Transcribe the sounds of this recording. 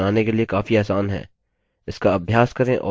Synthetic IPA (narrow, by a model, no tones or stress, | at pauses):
aːnekeliekaːfiaːsaːnɦɛ̰ː | ɪskaɐbʱjaːskɐɾẽʔɔ̰ː